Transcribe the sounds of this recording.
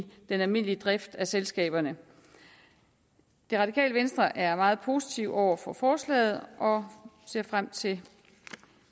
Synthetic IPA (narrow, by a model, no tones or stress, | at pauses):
d̥enælmin̰liəd̥ʁafd̥æselsɡ̥ɛ̰ːb̥ɐnə | d̥e̝ʁɑ̈dikʰɛ̰ːləʋensd̥ʁɐʔæɐmɑ̈ːð̩ˠpʰo̝ːsi̥t͡sʰiʊʔɒʊ̰ɐfɒ̽fɒːslɛ̰ːð̞̩ˠʔɒ̽se̝ɐ̰fʁam̰t͡sʰe̝